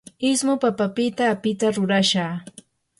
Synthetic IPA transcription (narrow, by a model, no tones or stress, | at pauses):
ɪsmopapapɪt̪aːpɪt̪aɾʊɾaʃaː